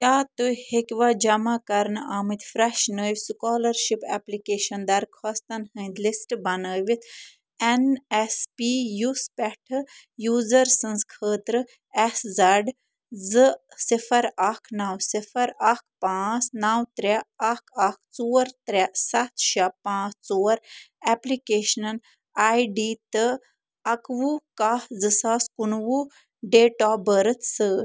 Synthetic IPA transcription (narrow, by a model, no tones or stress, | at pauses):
jʲaːt̪ujhekʲʋad͡ʒɐmakɐɾnaːmit̪ʲfɾɛʃnəːʋʲskɔːlɐɾʃipɛplikeːʃɐnd̪ɐɾkʰɔst̪ɐnhə̃ːnd̪lisʈbɐnəːʋit̪ʰ | ɛnɛspijuspʲɛʈʰɨjuːzɐɾsɨ̃nskʰəːt̪ɾɨ | ɛszɐɖ | zɨ | sifɐɾakʰnawsifɐɾɐk̚ʰpãːt͡snawt̪ɾaɐkʰak̚ʰt͡suːɐɾt̪ɾʲasɐt̪ʰʃapãːt͡st͡soːɾɛplikeːʃnɐn | aːjɖiːt̪ɨ | ɐkʋukahd͡zɨsaːskunwu | ɖeːʈaːbəɾɨt̪səː